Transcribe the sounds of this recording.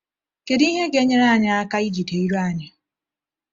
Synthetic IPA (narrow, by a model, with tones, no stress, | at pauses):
ke˨di˦ɦe˦ɡe˦ɲe˦ɾa˦˨ɲa˦a˦ka˦i˦d͡ʒi˨te˨i˦ɾo˦a˦˨ɲɪ˨